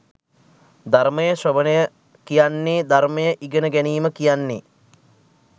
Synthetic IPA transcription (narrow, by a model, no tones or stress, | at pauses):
d̪arməjəsɐʋənəjə | kijanːed̪arməjəʔiɡənəɡɛniːməkijanːḛ